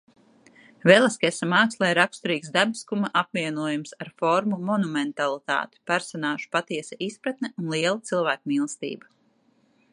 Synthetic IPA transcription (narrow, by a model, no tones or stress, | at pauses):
vɛlˠaskasamaːkslˠajɾakst̪uɾiːksd̪abiskumaʔapviɛnuɔjumsaɾfɔɾmumɔnumɛnt̪alˠit̪a̰ːt̪i̥pæɾsɔnaːʒu̥pat̪iɛsaʔispɾat̪nɛunlˠiɛlˠat̪silˠvæːkmiːlˠst̪ḭːba